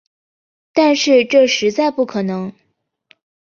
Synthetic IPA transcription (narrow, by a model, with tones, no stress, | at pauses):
t̪a˥˧nʂɻ̩˥˧ʈ͡ʂɤ˥˩ʂɻ̩˧˥t͡sa˥˩˧ɪpu˥˩kʰɤ˨˩nɤ˧˥ŋ